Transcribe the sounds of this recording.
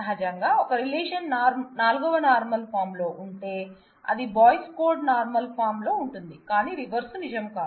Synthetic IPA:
ɐɦɐd͡ʒɐŋɡaːɔkɐɾileːʂɐnnaːɾmnaːluɡɐʋɐnaːɾmɐlpʰaːɾmlo̞ːʔuɳʈ̪e̞ː | ɐ̰d̪ibaːjskoːɖnaːɾmɐlpʰaːɾmlo̞ːuɳʈund̪ikaːniːɾiʋɐɾsnid͡ʒɐmkaː

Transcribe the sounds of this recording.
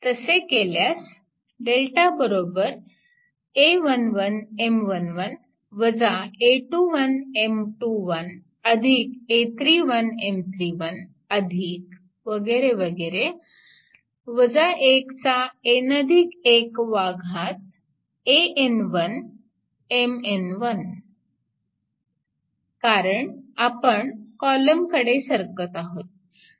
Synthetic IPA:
t̪əsekeljas | ɖelʈabəɾoːbəɾ | eʋənʋənemʋənʋən | ʋəd͡zaeʈuʋənemʈuʋən | əd̪ʱiket̪ʰɾiʋənemt̪ʰɾiːʋən | əd̪ʱik̚ | ʋəɡeɾeʋəɡeɾe | ʋəd͡zaʔekt͡saenəd̪ʱikekʋaɡʱat̪̚ | eʔenʋən | emenʋən | kaɾəɳapəɳkɔləmkəɽesəɾkət̪aɦot̪̚

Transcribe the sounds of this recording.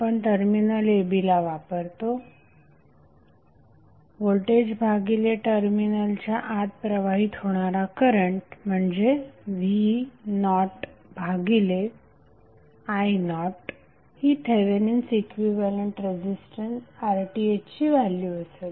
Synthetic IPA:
pəɳʈəɾminəlebilaʋapəɾt̪o | ʋolʈed͡ʑbʱaɡileʈəɾminəlt͡ɕjaʔat̪̚pɾəʋaɦiːt̪ɦoɽ̃aɾakəɾəɳʈm̤əɳd͡zeʋinɔʈbʱaɡile | ajnɔʈ | hiːt̪ʰeʋenensikʋiʋaleɳʈɾed͡ʑisʈənsaɾʈiet͡ɕiːʋalːjuəsel

